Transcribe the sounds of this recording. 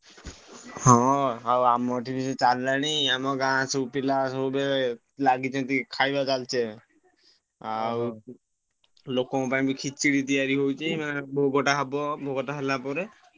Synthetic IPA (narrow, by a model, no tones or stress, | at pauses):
hɔ̃awamɔʈʰibiset͡ʃalːaɽ̃iamɔɡãsupilasɔbe | laɡit͡ʃʰɔt̪ikʰajbat͡ʃalt͡ʃʰe | aw | lokɔpaĩbikʰit͡ʃiɽit̪̬ijaɾiɦowt͡ʃʰimabʱoɡɔʈaɦabɔbʱoɡɔʈaɦɛlapɔɾe